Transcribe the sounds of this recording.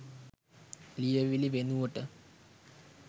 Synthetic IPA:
lijɐʋiliʋenːuʋoʈːɨ

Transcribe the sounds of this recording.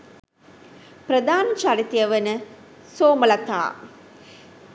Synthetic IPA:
prəd̪aːnət͡ʃaɾit̪ijəʋənə | soːməlɐt̪a̰ː

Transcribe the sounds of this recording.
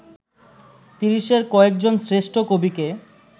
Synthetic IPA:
t̪iɾiʃeɾkɔek̚d͡ʑonsɾeʃʈʰokobike

